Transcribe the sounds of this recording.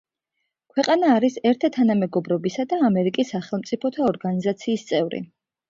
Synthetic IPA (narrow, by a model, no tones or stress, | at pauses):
kʰwɛqʼanaːɾisɛɾt̪ʰat̪ʰanamɛɡɔbɾɔbisad̪aːmɛɾikʼisːaχɛlˠmt̪sʼipʰɔt̪ʰaɔɾɡanizat̪sʰiːst̪sʼɛvɾḭ